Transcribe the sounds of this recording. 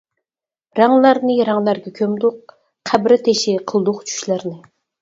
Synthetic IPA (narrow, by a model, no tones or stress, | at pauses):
ɾɑŋlˠɑɾnɨɾɑŋlˠæɾɡʲɛkʲʰømd̪ʊq̚ | qʰæbɾɪt̪ʰeʃɪqʰəlˠd̪ʊqt͡ʃʰy̥ʃlæɾnɪ